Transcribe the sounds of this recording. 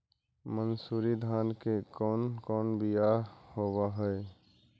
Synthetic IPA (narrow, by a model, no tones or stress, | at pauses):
mənsuːɾid̪ʱaːnkekɔːnkɔːnbijahobaɦɛɛ